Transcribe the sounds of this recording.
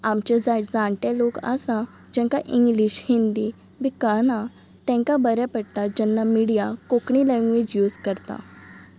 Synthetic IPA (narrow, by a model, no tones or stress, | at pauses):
amt͡ɕad͡zaʈd͡zãɳʈalokə̰sa | d͡ʑɛ̃ŋkaʔiŋɡliɕhind̪i | bikanã | t̪ɛ̃ŋkabəɾapəɽt̪ad͡ʑɛnːamiɽijakokɳilɛ̃ŋɡʋid͡ʑjuːzkəɾt̪a̰